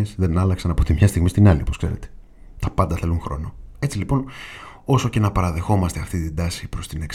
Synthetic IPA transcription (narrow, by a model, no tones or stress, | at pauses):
esðe̞nɐlɐksɐnɐpo̞t̪imɲɐst̪iɣmist̪inɐliopo̞skse̞ɾe̞̰t̪e̥ | t̪ɐpɐnd̪ɐθe̞luŋxɾo̞̰no̞e̞t͡silipo̞no̞so̞ce̞nɐpɐɾɐðe̞xo̞mɐst̪e̞ɐft̪it̪ind̪ɐsipɾo̞st̪ineks